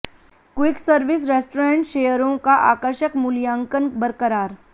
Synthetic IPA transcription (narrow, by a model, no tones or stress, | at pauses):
kwɪksəɾʋɪs̬ɾeːsʈɾẽːɳʈʃeːjəɾõkaʔa̰ːkəɾʃəkmʊlijãːŋkənbəɾkəɾaːɾ